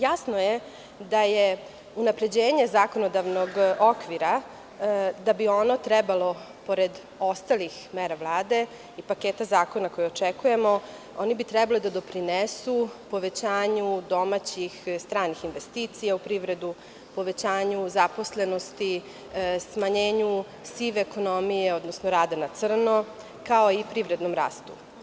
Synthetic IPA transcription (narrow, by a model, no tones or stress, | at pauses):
jasnoje | d̪aje | unapɾe̞d͡ʑeːɲe̞zaːko̞no̞d̪aʋnoɡokʋiɾa | d̪abio̞not̪ɾɛbalo̞ | po̞ɾed̪ | o̞st̪alixmeɾaʋlˠaːd̪e̞ | ipakeːt̪azaːko̞nako̞jɛot͡ʃekuje̞mo | o̞nibit̪ɾɛbalid̪ad̪o̞pɾinesupo̞ʋet͡ɕaːɲud̪o̞mat͡ɕixst̪ɾaːnixinʋest̪iːt̪sijaupɾiʋɾe̞d̪u | po̞ʋe̞t͡ɕaːɲuzaposle̞no̞st̪i | smaɲeːɲu | siʋeːko̞no̞mijeod̪nosnoɾaːd̪anat̪sr̩no | kaoipɾiʋɾe̞d̪nomɾa̰ːst̪u